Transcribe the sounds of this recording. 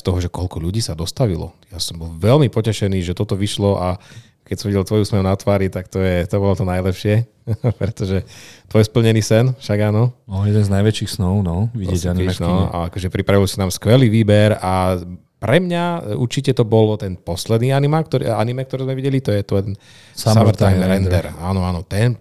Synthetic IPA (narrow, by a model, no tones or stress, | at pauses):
st̪ɔɦɔʒɛkɔlkɔʎuɟiːsad̪ɔst̪aʋilɔ̰jasɔmbɔlʋɛlmipɔcɛʃɛniːʒɛt̪ɔt̪ɔʋiʃlɔʔa | kɛcsɔmʋiɟɛlt̪ʋɔjusmɛɾunat̪ʋaːɾit̪akt̪ɔjɛt̪ɔbɔlɔt̪ɔnajlɛpʃɪɛ | pɾɛt̪ɔʒɛt̪ʋɔjspl̩ɲɛniːsɛnfʃaɡaːnɔɔjɛd̪ɛnznajʋɛt͡ʃiːxsnɔʊnɔʋiɪɛɟaninɔa̰a̰kɔʒɛpɾipɾaʋilsinaːmskʋɛliːʋiːbɛɾa | pɾɛmɲaṵɾt͡ʃicɛt̪ɔbɔlt̪ɛnpɔslɛd̪niːanimakt̪ɔɾa̰nimɛk̚t̪ɔɾɛzmɛʋiɟɛlit̪ɔjɛt̪ɔn | sasmamɾt̪ajmɾɛnd̪ɛɾaːnɔaːnɔt̪ɛn